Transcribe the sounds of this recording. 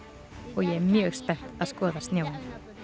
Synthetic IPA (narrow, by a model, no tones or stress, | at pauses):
ɔɣjɛɛɾmjœːɣspɛr̥t̪aðskɔːðast̪njaːwan